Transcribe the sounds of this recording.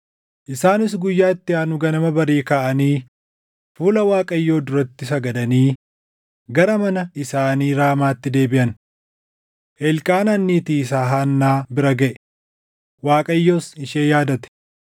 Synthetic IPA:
ʔɪsaːnɪsɡʊjːaːɪt̪ːɪaːnʊɡɐnɐmɐbɐɾiːkaːʔɐniː | fuːlɐwaːkʼɐjːo̞ːd̪ʊɾɐt̪ːɪsɐɡɐd̪ɐniː | ɡɐɾɐmɐnɐɪsaːniːɾaːmaːt̪ːɪd̪e̞ːbɪʔɐn | ʔɛlkʼaːnɐnːiːt̪iːsaːɦaːnːaːbɪɾɐɡɐʔɛ | waːkʼɐjːo̞ːsɪʃeːjaːd̪ɐt̪ɛ̥

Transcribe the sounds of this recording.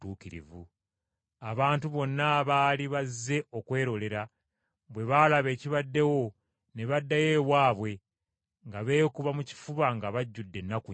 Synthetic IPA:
tuːkiɾḭvu | aβaːntuβo̞nːaβaːliβazːe̞okwe̞ːɾo̞le̞ɾa | βwe̞βalaβe̞ːciβadːe̞wo̞ | neβadːaje̞ːwaːβwe̞ | ŋɡaβe̞ːkuβamuci̥fuβaŋɡaβaɟːudːe̞nːaku

